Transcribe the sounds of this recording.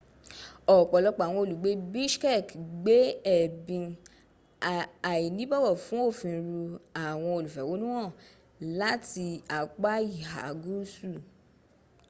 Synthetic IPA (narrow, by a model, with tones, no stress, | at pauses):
ɔ˨k͡pɔ˨lɔ˧k͡pa˨w̃ɔ̃˧o˧lu˨ɡ͡be˨˦bi˦ʃkɛ˦˨kɡ͡be˨˦ɛ˦˨bĩ˧ | a˨i˨nĩ˦bɔ˦wɔ˦˨fũ˨˦o˦˨fĩ˧ɾu˧a˨w̃ɔ̃˧o˧lu˨fɛ˨˦wo˨˦nũ˦w̃ɔ̃˦˨ | la˦ti˧a˨k͡pa˦i˦˨ɦa̰˨˦ɡu˦su˦˨